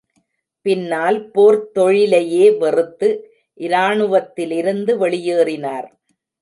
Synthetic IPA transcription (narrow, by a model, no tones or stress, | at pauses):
pɪnːaːlpoːɾt̪ːɔɻɪlɐjeːʋɛrɯt̪ːɯ | ʔɪɾaːɳɯʋɐt̪ːɪlɪɾɯnd̪ɯʋɛɭɪjeːrɪnaːɾ